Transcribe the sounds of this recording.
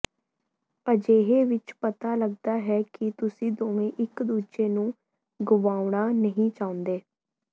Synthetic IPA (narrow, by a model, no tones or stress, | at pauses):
pəd͡ʒeːɦeːʋɪt͡ʃpət̪aːləɡ̚d̪aːɦɛːkɪt̪ʊsĩːd̪oːʋẽːʔɪkd̪uːd͡ʒeːnũː | ɡʊʋaːʊɳ̃aːnəɦĩːt͡ʃaːʊ̃nd̪eː